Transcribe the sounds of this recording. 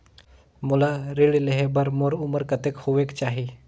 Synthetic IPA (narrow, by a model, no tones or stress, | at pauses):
mulaɾeɭileɦebəɾmoɾuməɾkət̪ekhoʋekt͡ʃaɦi